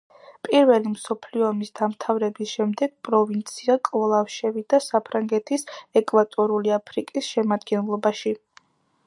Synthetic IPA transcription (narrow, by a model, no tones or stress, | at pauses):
pʼiɾvɛlimsɔpʰliɔːmisd̪amt̪ʰavɾɛbisʃɛmd̪ɛɡ̥̚pʼɾɔvint̪sʰiakʼvɔlˠafʃɛvid̪̥asapʰɾaŋɡɛt̪ʰisɛkʼwat̪ʼɔɾuliapʰɾikʼisʃɛmad̪ɡɛnlˠɔbaʃi